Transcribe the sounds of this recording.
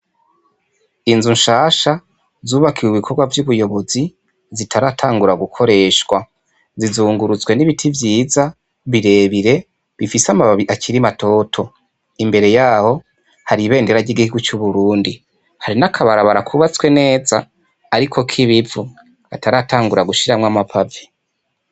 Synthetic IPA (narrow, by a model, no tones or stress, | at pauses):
inzunʃaːʃa | zuːβakʰiweβikʰo̞ɡwavjuβujo̞βo̞zi | zitʰaɾaːtʰaːŋɡuɾaɡukʰo̞ɾe̞ːʃwa | zizuːŋɡuɾut͡sɡwe̞niβitʰivjiːza | βiɾe̞ːβiɾe̞ | βifisamaβaβiʔakiɾimatʰo̞tʰo̞ | imbe̞ɾe̞jaːho̞ | haɾiβe̞ːnde̞ɾaɟiɡihiɡut͡ʃuβuɾuːndi | haɾinakʰaβaɾaβaɾakʰuβat͡swe̞ne̞ːza̰ː | ɾikʰo̞kʰiβivu | βataɾataːŋɡuɾaɡuʃiɾamŋwamapʰave